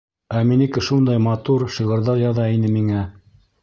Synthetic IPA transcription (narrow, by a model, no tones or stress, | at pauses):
æminikɘ̆ʃund̪ɑjmɑt̪uɾʃiʁɤ̆ɾðɑɾjɑðɑin̪ɘmiŋæ